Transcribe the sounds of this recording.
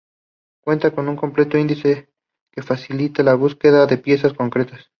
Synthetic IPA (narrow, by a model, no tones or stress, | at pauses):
kwe̞nt̪ako̞nuŋko̞mple̞t̪oind̪ise̞ | ke̞fasilit̪elaβ̞uske̞ðaðe̞pje̞sasko̞ŋkɾe̞t̪as